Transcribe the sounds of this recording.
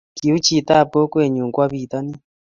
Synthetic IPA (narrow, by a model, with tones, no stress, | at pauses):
ki˨u˦t͡ʃi˨t̪a˦˨pɔ˦kwe˨ɲu˨ŋɡwa˦βi˨t̪a˦ni˦